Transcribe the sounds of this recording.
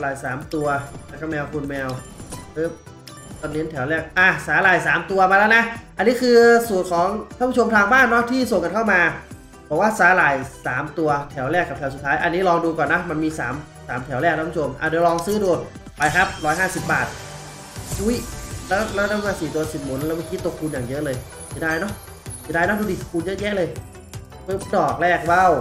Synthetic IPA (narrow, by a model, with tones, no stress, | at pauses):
laː˨˩jsaː˩˦mt̪u˧ɐa˧˩kʰa˦˥mɛː˧wkʰuː˧nmɛː˧wɾɯː˨˦˥ | t̪ɔ˧ŋli˦˥nt̪ʰɛ˩˦wlɛː˥˩k̚ʔaː˧˩saː˨˦laː˨˩jsaː˩˦mt̪u˧ɐmaː˧lɛː˦˥wna˦˥ʔa˧nːiː˦˥kʰɯː˧suː˨˩t̚kʰɔː˩˦ŋʰa˥˩pʰu˥o˧mt̪ʰaː˧ŋbaː˥˩nːɔ˦˥t̪ʰiː˥˩so˨˩ŋka˧nkʰa˥˩wmaː˧ | pʰo˨˩˦waː˥˩saː˨˦˥laː˨˩jsaː˩˦mt̪u˧ɐt̪ʰɛː˩˦wlɛː˥˩kːa˨˩p̪̚ʰɛ˨˦su˨˩t̪ʰːaː˦˥jʔa˧nːiː˦˥lɔː˧duː˧kɔː˨˩nːa˦˥ma˧nmiː˧saː˩˦m | saː˩˦mt̪ʰɛ˩˦wɾɛː˥˩k̪̚ʰa˦˥pːʰo˧mʔa̰ː˨˩du˧lɔː˧ŋsɯː˦˥duː˧t̪̚ | pa˧jkʰa˦˥p̚ɾɔː˦˥jɦaː˥˩si˨˩p̚ba̰ː˨˩t̪̚ | ʔu˦˥˩jlɛː˦˥wlɛː˦˥˩na˥˩˧maː˧siː˨˩t̪u˧ɐsi˨˩p̚mo˨˩˦nlɛː˦˥wmaː˧˥˩ki˦˥t̪ːkʰuː˧njaː˨˩ŋjɤ˦˥ʔlɤː˧j | a˨˩daː˧˩jnɔ˦˥˨ | daː˧˩jnɔ˦˥˩duː˧di˨˩˧kʰuː˧njɤ˦˥jɛ˦˥ʔlɤː˧j | pɯː˦˥˩mdɔː˨˩k̚lɛː˥˩k̚wa˥˩w